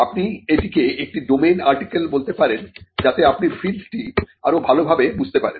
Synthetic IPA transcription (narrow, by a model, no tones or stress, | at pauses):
apnieʈikeek̚ʈiɖomenaɾʈikelbolt̪epaɾend͡ʑat̪eapniɾfʰilsʈiaɾobʱalobʱabebud͡ʑʱt̪epaɾen